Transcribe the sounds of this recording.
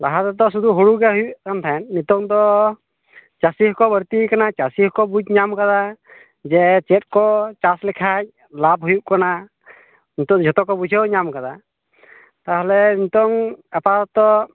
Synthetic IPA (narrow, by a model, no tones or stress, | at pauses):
laɦat̪ad̪ɔs̬ud̪uɦoɽuɡɛɦujuʔkant̪ʰaɛnnit̪ɔŋd̪ɔ | t͡ʃasiɦkɔbəɾt̪ikanat͡ʃasihkɔbud͡ʒɲamkad̪a | d͡ʒɛt͡ʃɛt̪̚kɔt͡ʃaslɛkʰac̚ | lab̚ɦujuʔkana | nit̪ɔd͡ʒʱɔt̪ɔkɔbud͡ʒʱəwɲamkad̪a | t̪aɦɛlɛnit̪ɔŋapat̪ɔ